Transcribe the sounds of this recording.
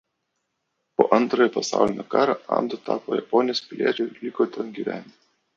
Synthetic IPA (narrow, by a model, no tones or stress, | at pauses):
po̰ːʔɐnˑt̪ɾojɛpɐsɑ̰ˑʊlʲɪnʲoːkɑːɾɑʔɑ̰md̪ɐt̪ɑːpo̰jɛ̰pɔnʲɪjoːspʲɪlʲḭɛt͡ʃʲɛɪlʲikoːt̪ʲɛnɡʲiʋʲæ̰ːnʲ